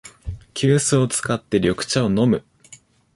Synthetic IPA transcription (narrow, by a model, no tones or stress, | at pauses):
kʲɨːsɨo̞t͡sɨ̥kat̪ːe̞ɾʲo̞kɯ̟̥t͡ɕao̞no̞mɯ̟